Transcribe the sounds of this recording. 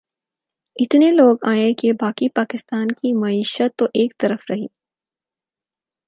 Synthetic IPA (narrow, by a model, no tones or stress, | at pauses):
ɪt̪neloːɡaːẽkebaːkipaːkɪst̪aːnkimɐiːʃət̪ːoʔeːk̚t̪ɐɾəfɾɐɦiː